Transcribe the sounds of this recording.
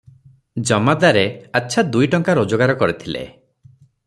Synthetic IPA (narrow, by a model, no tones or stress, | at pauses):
d͡ʒɔmad̪aɾeatːʃʰad̪ujʈɔŋkaɾod͡ʒɔɡaɾɔkɔɾit̪ʰilḛ